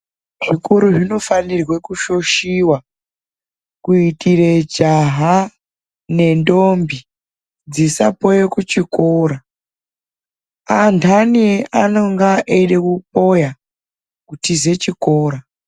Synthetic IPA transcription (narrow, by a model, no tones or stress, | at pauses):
ʐ̥ikuɾuʐino̞fanirwekuʃo̞ʃiwa | kuitired͡ʒaɦa | ne̞ndombi | d͡zisapo̞jekut͡ʃikoːɾa | antʰanieano̞ŋɡaʔeiɗekup̚o̞ja | kutize̞t͡ʃikoːɾa